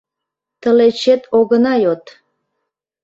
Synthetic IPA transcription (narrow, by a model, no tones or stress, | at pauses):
t̪ə̆let͡ɕet̪oɣənɑjot̪